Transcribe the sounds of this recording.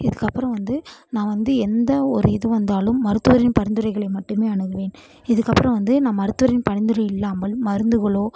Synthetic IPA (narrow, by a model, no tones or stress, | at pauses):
ɪðɯkːɐpːɯɾɐ̃ʋɐnd̪ɯnãːʋɐnd̪ɯɛnd̪ɐɔɾɯɪðɯʋɐnd̪aːlɯmːɐɾɯt̪ːɯʋɐɾɪnpɐɾɪnd̪ɯɾɐɪɣɐɭɐɪmɐʈːɯmeːɐɳɯɣɯʋeːn | ɪðɯkːɐpːɯɾɐ̃ʋɐnd̪ɯnãːmɐɾɯt̪ːɯʋɐɾɪnpɐɳɪnd̪ɯɾɐɪɪlːaːmɐɭmɐɾɯnd̪ɯɣɐɭoː